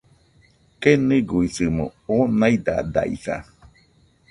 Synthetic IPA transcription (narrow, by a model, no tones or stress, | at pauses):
keniɡuisɨmoonaid̪a̰d̪a̰ḭθa̰